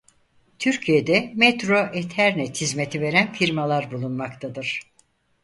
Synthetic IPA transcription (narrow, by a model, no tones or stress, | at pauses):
t̪ʰyɾcʰije̞d̪ɛmɛt̪ɾoʔet̪ʰæɾnɛt̪ʰizmet̪ʰive̞ɾænfiɾmalˠaɾbulˠunmakt̪ʰad̪ɯɾ̥